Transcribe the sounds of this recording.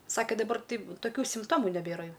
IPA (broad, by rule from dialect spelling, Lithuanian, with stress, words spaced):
ˈsɑːkʲeː dɐˈbɐr ˈtɐɪp toːˈkʲuː sʲɪmpˈtoːmʊ nʲɛˈbʲeːrɐ ˈjɛʊ